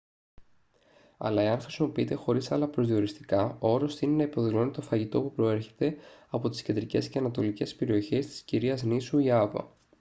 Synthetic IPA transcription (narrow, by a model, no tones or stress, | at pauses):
ɐ̰lɐe̞ɐnxɾisimo̞piit̪e̞xo̞ɾisɐlɐpɾozðio̞ɾist̪i̥kɐooɾo̞st̪inenɐipo̞ðilo̞nit̪o̞fɐʝit̪o̞pupɾo̞e̞ɾçe̞t̪e̞ɐpo̞t̪i̥scend̪ɾice̞sceɐnɐt̪o̞lice̞spe̞ɾio̞çe̞st̪i̥sciɾiɐznisuiɐvɐ̰